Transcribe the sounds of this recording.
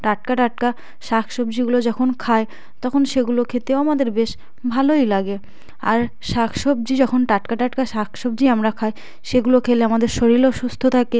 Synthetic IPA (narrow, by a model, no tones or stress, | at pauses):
ʈaʈ̚kaʈaʈ̚ka | ʃakʰʃobd͡ʑiɡulod͡ʑɔkʰonkʰae | t̪ɔkʰonʃeɡulokʰet̪eoamad̪eɾbeʃ | bʱalojlaɡe | a̰ɾ | ʃakʰʃob̚d͡ʑid͡ʑɔkʰonʈaʈkaʈaʈkaʃakʰʃob̚d͡ʑiamɾakʰae | ʃeɡulokʰeleamad̪eɾʃoɾiloʃust̪ʰot̪ʰake